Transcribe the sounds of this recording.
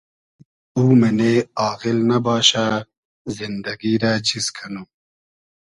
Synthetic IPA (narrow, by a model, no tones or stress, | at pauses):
uːmɐneɑːɣilnɐbɑːɕa | zind̪ɐɡiɾat͡ɕiskʰɐnu